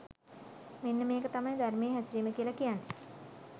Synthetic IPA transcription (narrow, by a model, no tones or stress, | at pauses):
menːəmeːkət̪amajd̪ʱarmeːɦæsɾiːməkiəlakijanːe